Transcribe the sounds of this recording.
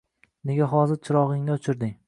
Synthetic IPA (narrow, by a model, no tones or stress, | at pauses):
ne̞ɡʲaɦɒzɪɾt͡ʃʰɪɾɒʁɪŋnɪʊt͡ʃʰɪɾd̪ɪŋ